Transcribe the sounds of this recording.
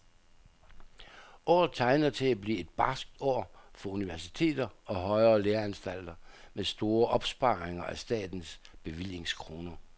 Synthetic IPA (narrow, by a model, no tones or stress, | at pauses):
ʔɒ̰ːð̩ˠt͡sʰɑ̈ɪnɐt͡sʰe̝læb̥lḭːe̝d̥̚b̥ɑ̈sɡ̥̚d̥ɒ̰ːfɒ̽uniʋæɐsi̥t͡sʰe̝̰ːd̥ɐɒ̽ɦɒ̽ɪɐːleːɐænsd̥æl̰d̥ɐmesd̥o̝ːɐʔɒ̽b̥sb̥ɑ̈ːʁeŋɐʔæsd̥ɛ̰ːd̥n̩sb̥e̝ʋil̰je̝ŋskʰʁo̝ːnɐ